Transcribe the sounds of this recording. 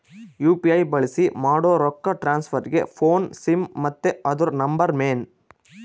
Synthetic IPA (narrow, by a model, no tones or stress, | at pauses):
juːpiɐjbɐɭisimaːɽoːɾɔkːɐʈɾaːnspʰɐɾɡḛpʰoːnsimːɐt̪ːeɐd̪uɾnɐmbɐɾmeːn